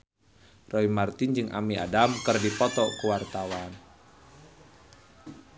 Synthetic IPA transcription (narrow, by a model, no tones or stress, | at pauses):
rɔimart̪ɪnd͡ʒɨŋʔa̰mia̰damkɨrdipɔt̪ɔkuwart̪awan